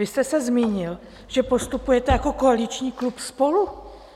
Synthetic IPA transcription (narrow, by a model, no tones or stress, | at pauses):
ɪst̪ɛsɛzmiːɲɪl | ʒ̥ɛpo̞st̪upujɛt̪ɛjako̞ko̞alɪt͡ʃɲiːklupspo̞lu